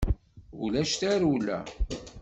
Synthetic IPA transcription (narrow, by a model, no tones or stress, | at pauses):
ulæʃt̪æɾulæ̰